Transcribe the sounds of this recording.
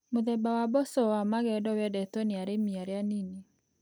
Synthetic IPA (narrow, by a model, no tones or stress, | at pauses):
moðɛbawabɔsɔwamaɣɛdɔwɛdɛtɔneaɾemiaɾeanine